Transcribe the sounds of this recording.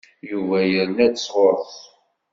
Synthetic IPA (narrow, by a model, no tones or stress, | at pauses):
juvæjəɾnæd̪əsˤʁɔɾθˤ